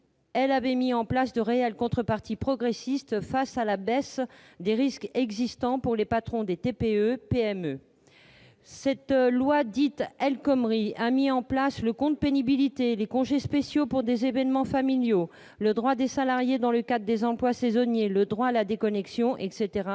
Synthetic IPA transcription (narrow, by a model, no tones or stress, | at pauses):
ɛlavɛmiɑ̃plasd̪əʁeɛlkɔ̃t̪χəpaʁt̪ipχɔɡʁesist̪fasalabɛs | d̪eʁiskɛɡzist̪ɑ̃puʁlepat̪χɔ̃d̪et̪epeøpeɛmø | sɛt̪lwad̪it̪ɛlkɔmʁiamiɑ̃plasləkɔ̃d̪əpenibilit̪elekɔ̃ʒespesjopuʁd̪ezevɛnmɑ̃familjo | ləd̪ʁwad̪esalaʁjed̪ɑ̃ləkad̪ʁəd̪ezɑ̃plwasezɔnjeləd̪ʁwaːlad̪ekɔnɛksjɔ̃ʔɛkset̪eʁa